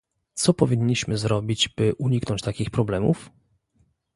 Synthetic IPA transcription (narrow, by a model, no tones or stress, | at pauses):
t̪sɔpɔvʲiɲːiɕmɘzɾɔbʲid͡ʑb̥ɘʔuɲiknɔnɲt͡ɕt̪akʲixpɾɔblɛmṵf